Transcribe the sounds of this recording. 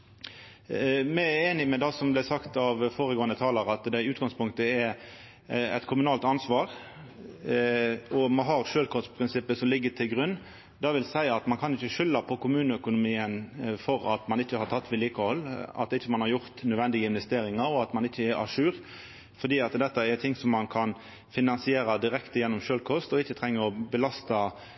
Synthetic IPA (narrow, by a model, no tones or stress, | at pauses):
mɛæeːnɪmɛd̪ɑsɔmblæsɑkt̪ɑʋfoːɾəɡoːənət̪ʰɑːləɾɑt̪d̪æɪʉːt̪ɡɑŋspʰʊŋkt̪əɛ | ɛ̰t̪kʰʊmʉnɑːlt̪ɑnsʋɑːɾ | ɔmɑɦɑɾʂøːlkʰɔspʰɾɪnsɪpːəsɔmlɪɡːət̪ʰɪlɡʁʉnː | d̪ɑʋɪlsæɪɑt̪mɑnkʰɑnɪçːəʃʏlːɑpʰɔkʊmʉːnəœkʊnʊmiːənfɔɾɑt̪mɑnɪçːəhɑɾt̪ʰɑt̪ːʋɪːliːkəhɔlːɑ̰t̪ɪçːəmɑnhɑɾjʊɾt̪nœːd̪ʋɛnd̪ɪɡəɪnʋɛst̪eːɾɪŋɑɾɔɑt̪mɑnɪçːəɛɾæ̰ʂʉːɾ | fɔd̪iːɑt̪d̪ɛt̪ːəɛɾt̪ʰɪŋsɔmːɑnkʰɑn | fɪnɑnsɪeːɾɑd̪ɪɾɛkt̪əjɛnːɔmʃøːlkʰɔst̪ɔɪçːət̪ʰɾɛŋːəɾɔbəlɑst̪ɑ